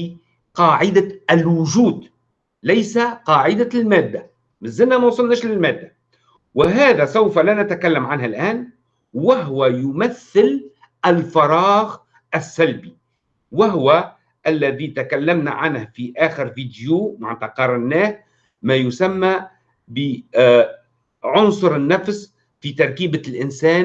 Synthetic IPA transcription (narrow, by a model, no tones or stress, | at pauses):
qɑːʕɪd̪aɪlwʊʒuːd̪ | lajsaqɑːʕɪd̪almæːd̪ːa | mɪzːɪlnamæwsˤɑlnæːʃlɪlmæːd̪ːa | wɪɦæːðæsawfalænat̪akalːamʕanɦalʔæːn | waɦʊwajʊmaθːɪl | ʔɪlfɑɾˤɑːɣ | ɪsːalbi | wɪɦʊwa | ʔalːaðit̪akalːamna̰ʕanhfiʔaːxɪɾviːd̪jumaʕnt̪ɑqɑɾˤɑnːaːh | majʊsamːa | bɪ | ʕʊnsˤʊɾɪnːafs | fit̪ɑɾˤkiːbalʔɪnsaːn